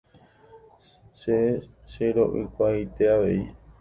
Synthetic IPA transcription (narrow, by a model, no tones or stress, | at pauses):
ʃe | ʃeɾo̞̰ʔɨ̰kʷajt̪e̞aʋe̞i